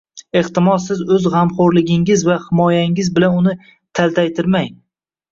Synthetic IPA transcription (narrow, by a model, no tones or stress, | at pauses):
eht̪ɪmɒsːɪzɵzʁɑmχoɾlɪɡʲɪŋɪzvahɪmɒjaɪŋɪzbɪlanʊnɪ | t̪ʰalˠt̪ʰajt̪ʰɪɾmaŋ